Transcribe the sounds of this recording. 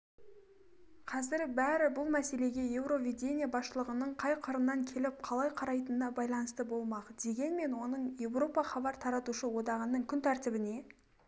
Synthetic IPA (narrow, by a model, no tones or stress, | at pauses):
qʰɑzɪɾbæɾɪbʊlˠmæse̞le̞ɡʲe̞je̞wɾo̞vʲid̪ʲe̞nʲijabɑsʃəlˠəʁənəɴqʰɑjqʰəɾənːɑŋkʲʰe̞lɪp̚qʰɑlˠɑjqʰɑɾɑjt̪ənd̪ɑbɑjlˠɑnəst̪əbo̞lˠmɑqd̪̥e̞ɡʲe̞nme̞nwo̞nəɴje̞wro̞pɑχɑbɑɾt̪ʰɑɾɑt̪uʃəwo̞d̪ɑʁənːəɴkʲʰʏnt̪ʰæɾt̪ɪbɪne̞